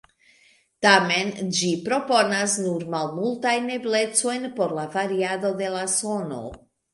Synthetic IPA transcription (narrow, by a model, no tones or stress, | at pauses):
tame̞nd͡ʒipɾo̞po̞nasnuɾmalmultajne̞ble̞t͡so̞jnpo̞ɾlavaɾiado̞de̞laso̞no̰